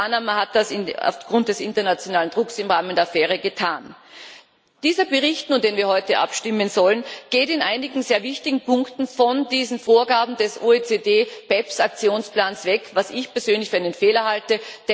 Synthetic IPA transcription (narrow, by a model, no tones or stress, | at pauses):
anamɐhat̚d̥asɪna̰ʊfɡ̥ʁʊnt̚d̥ɛsʔɪ̰ntɐnat͡sjonaːlənd̥ʁʊksɪmʁaːməndeːɐfeːʁ̞əɡətʰaːn | d̥iːzɐbəʁ̞ɪçtnuːnd̥eːnviːɐhɔʏtəʔa̰pʃtɪmənzɔlənɡ̥eːtɪnʔaɪnɪɡŋ̩zeːɐvɪçtɪɡŋ̩pʊŋktn̩fɔndiːzn̩foːɐɡaːbm̩dɛsʔoːet͡seːdeːb̥ɛpsakt͡sjoːnsplaːnsv̥ɛkvasɪçpɛɐz̥øːnlɪçfyːɐaɪnənfeːlɐhaltəd̥ɛ